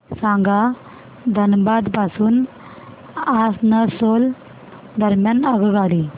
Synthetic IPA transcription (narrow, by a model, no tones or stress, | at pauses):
sãŋɡa | d̪ʱənbad̪pasuːn | asnəsol | d̪ʱəɾmjanəɡəɡali